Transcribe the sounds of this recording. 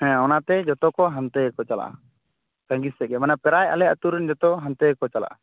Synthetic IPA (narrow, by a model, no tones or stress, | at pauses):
hɛ̃ɔnat̪ɛd͡ʒɔt̪ɔkɔɦant̪ɛkɔt͡ʃala̰ʔa̰ | kãŋɡisɛʔɡɛmanapɛɾaja̰lɛat̪uɾɛnd͡ʒɔt̪ɔɦãnt̪ɛkɔt͡ʃala̰ʔa̰